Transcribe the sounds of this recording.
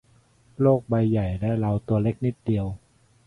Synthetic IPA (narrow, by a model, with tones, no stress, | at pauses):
loː˥˩k̚ba˧jːa˨˩jdaː˥˩jla˧wt̪u˧ɐle˦˥˩k̚ni˦˥t̪̚di˧əw